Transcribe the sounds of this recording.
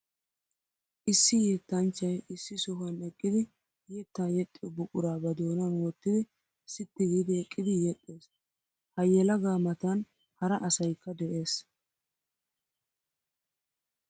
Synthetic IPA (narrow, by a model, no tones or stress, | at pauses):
ʔɪsːɪjiːt̪ːɐnt͡ʃːɐjɪsːɪsʊɦɐnɛkʼːɪd̪ɪ | jit̪ːɐnjɛt̪ʼːɪjɔbʊkʼʊɾaːbɐd̪oːnɐnwɔt̪ːɪd̪ɪ | sɪt̪ːɪɡiːd̪ɪɛkʼːɪd̪ɪjɛt̪ʼːeːs | hɐjːɛlɐɡaːmɐt̪ɐn | hɐɾɐʔɐsɐjkːɐd̪ɛʔe̞ːs